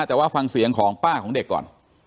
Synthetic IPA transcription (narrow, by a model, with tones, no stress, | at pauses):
t͡ɕa˨˩waː˥˩fa˧ŋsi˨˩˦əŋkʰɔː˩˦ŋpaː˥˩kʰɔː˩˦ŋde˨˩kːɔ̰ː˨˩n